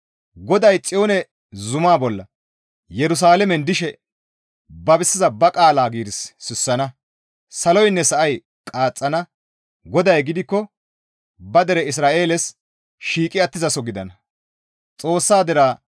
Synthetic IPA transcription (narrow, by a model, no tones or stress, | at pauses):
ɡɔd̪ɐjt͡sʼɪjoːnɛ | zʊmaːbɔlːɐ | jɛɾʊs̬aːlɛmɛnd̪ɪʃɛ | bɐbɪsːɪzɐbɐkʼaːlaːɡiːd̪ɪsːɪsːɐnɐ | sɐlɔjnːɛsɐʔɐj | kʼaːt͡sʼːɐnɐ | ɡɔd̪ɐjɡɪd̪ɪkːɔ | bɐd̪ɛɾɛɪs̬ɾaːʔeːlɛs | ʃiːkʼɪɐt̪ːɪzɐsɔɡɪd̪ɐnɐ | t͡sʼo̞ːsːaːd̪ɛɾaː